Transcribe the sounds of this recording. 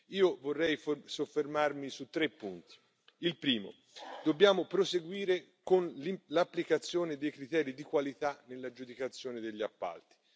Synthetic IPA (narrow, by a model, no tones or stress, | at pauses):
iːovorːɛjfsofːermarmisut̪ːɾepːunt̪i̥ | ilpɾiːmo̰ | d̪̥obːjaːmopɾoseɡwiːɾe | konlilapːlikat̪sːjoːned̪ejkɾit̪ɛːɾid̪ikwalit̪anelːad͡ʒud̪ikat̪sːjoːned̪eʎːiapːa̰lt̪i̥